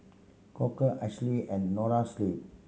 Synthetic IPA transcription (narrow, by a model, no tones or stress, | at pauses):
kɔkəʔɛʃliɛ̃nɖnɔɾasliː